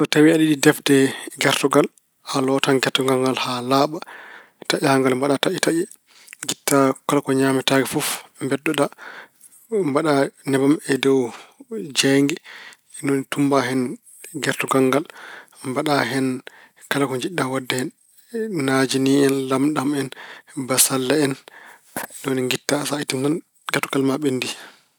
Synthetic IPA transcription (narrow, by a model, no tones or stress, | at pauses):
sɔtawiaɗiɗidɛfdɛɡɛɾtɔɡal | alɔtanɡɛɾtːɔɡaŋɡalhalaːɓa | taʔɛhaŋɡalmbaɗataʔitaʔɛ | ɡitːakɔlakɔɲaːmitaɡɛfɔfmbɛdːɔɗa | mbaɗanɛbamɛdɔw | d͡ʒɛŋɡɛ | nɔnitumbaɦɛn | ɡɛɾtɔɡaŋɡal | mbaɗaɦɛn | kalakɔɲd͡ʒiɗːawadːɛhɛnː | ad͡ʒiniɛnlamɗamɛnbasalːaɛn | nɔniŋɡitːasaitintan | ɡɛɾtɔɡalmaɓɛndi